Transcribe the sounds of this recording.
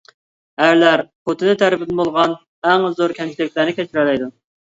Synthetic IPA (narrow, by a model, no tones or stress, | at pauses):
æɾlæɾpʰot̪ʰɨnɪt̪ʰæɾɪpɪd̪nbolˠʁɑn | æŋzoɾkʲʰɛnt͡ʃʰilɪkʲlæɾnɪkʲʰɛt͡ʃʰiɾɛlɛjd̪u